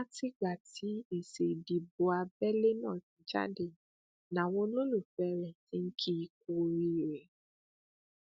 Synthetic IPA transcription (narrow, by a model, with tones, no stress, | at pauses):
a˦ti˦ɡ͡ba˨ti˨˦i˦˨se˨di˨bo˨a˧bɛ˦le˦nãː˦˨ti˨d͡ʒa̰˦de˦˨ | nã˨wõ˦lõ˦lu˦˨fɛ˧ɾɛ̃˨ti˨˦ŋ̩˦kʰi˦i˧k̚o˧ɾi˧˨ɾɛ˨